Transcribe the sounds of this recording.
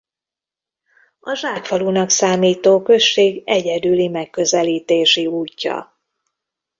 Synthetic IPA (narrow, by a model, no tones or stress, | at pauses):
ɒʒaːkfɒlunɒksaːmiːt̪oːkø̞ʃːeːɡɛɟɛd̪ylimɛkːø̞zɛliːt̪eːʃiuːcːɒ̰